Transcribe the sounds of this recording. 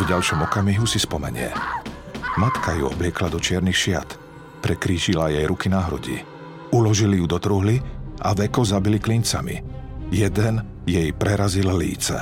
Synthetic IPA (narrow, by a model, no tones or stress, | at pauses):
vɟalʃɔmɔkamiɦusispɔmɛ̰ɲɪɛ̰ | mat̪kajṵɔ̰blɪɛklad̪ɔt͡ʃɪɛɾnixʃɪa̰t̪ | pɾɛkɾiːʒilajɛjɾukinaɦɾṵɟḭː | ulɔʒilijud̪ɔt̪ɾuɦliʔa̰ʋɛkɔzabiliklint͡samḭjɛd̪ɛn | jɛjpɾɛɾazillḭːt͡sɛ̰